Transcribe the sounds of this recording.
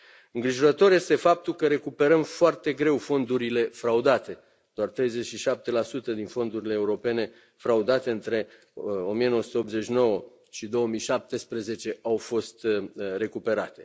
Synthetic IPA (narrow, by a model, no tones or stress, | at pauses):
ɨŋɡɾiʒo̞ɾət̪o̞rjest̪e̞fap̚t̪ulkəɾe̞kupe̞ɾəmfoart̪e̞ɡɾe̞wfo̞nd̪uɾile̞fɾaud̪at̪e̞ | d̪̥oart̪ɾe̞jze̞t͡ʃʃiʃap̚t̪e̞lasut̪əd̪info̞nd̪uɾile̞ːuɾo̞pe̞ne̞ | fɾaud̪at̪e̞ɨnt̪ɾe̞ | o̞mijeo̞wəsu̥t̪eopze̞t͡ʃno̞wə | ʃid̪o̞wəmijʃap̚t̪e̞spɾeze̞t͡ʃe̞awfo̞st̪re̞kupe̞ɾat̪e̞̥